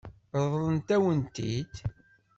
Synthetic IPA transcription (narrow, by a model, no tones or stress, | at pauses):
ɾənt̪æwənt̪ḭd̪